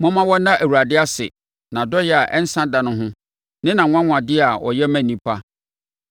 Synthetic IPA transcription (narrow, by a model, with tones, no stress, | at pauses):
mɔ̃˦mã˦wɔ˦nã˦ʔæ˨wu˨ɾa˨dɪ˦a˦sɪ̰˨ | nã˨dɔ˦jɛ˦a˨ʔɛ˦n̩˦sã˦dã˨nʊ̃˦ɦʊ̃˦ | nɪ̃˦nã˨ŋ̃ʷ˦ã˦ŋ̃ʷ˨ã˨dɪ˦a˨ɔ˨jɛ˦mæ̃˨nĩ˨pʰa˦